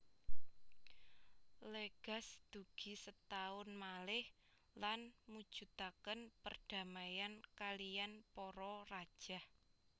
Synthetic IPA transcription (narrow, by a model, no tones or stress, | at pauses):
leɡ̥a̤sd̪̥ṳɡ̥i̤sət̪aʊnmalɪh | lanmud̥ʒ̥ṳt̪akənpərd̥a̤majankalijanpɔɾɔrad̥ʒ̥a̤h